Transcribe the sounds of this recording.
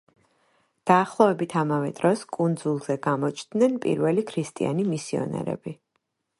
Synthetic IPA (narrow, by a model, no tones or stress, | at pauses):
d̪̥aːχlˠɔvɛbit̪ʰamavɛd̪̥ɾɔskʼund̪zulˠzɛɡamɔt͡ʃʰd̪nɛnpʼḭɾvɛlikʰɾist̪ʼḭa̰nimisiɔ̰nɛ̰ɾɛ̰b̥i